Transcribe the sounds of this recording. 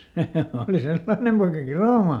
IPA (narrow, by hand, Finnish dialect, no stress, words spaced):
seˑ oˑli selːɑĭnem poikɑ kiroˑmɑ